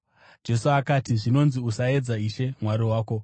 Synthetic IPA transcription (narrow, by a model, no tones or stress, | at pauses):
d͡ʒe̞suakatiʐino̞nziusae̞d͡zaiʃe̞mwaɾiwaːko̞